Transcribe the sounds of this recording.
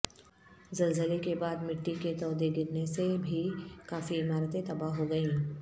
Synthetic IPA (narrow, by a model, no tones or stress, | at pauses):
zɐlzəlekebaːd̪mɪʈːiket̪ɔːd̪eɡɪɾnesebʱikaːfiɪmaːɾət̪ẽt̪ɐbaɦɦoɡɐẽː